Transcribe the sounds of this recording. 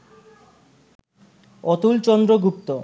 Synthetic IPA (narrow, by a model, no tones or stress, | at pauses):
ɔt̪ult͡ɕɔnd̪ɾoɡupt̪o